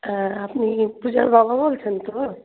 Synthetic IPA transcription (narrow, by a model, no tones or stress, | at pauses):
əpnipud͡ʒabababolt͡ʃʰənt̪o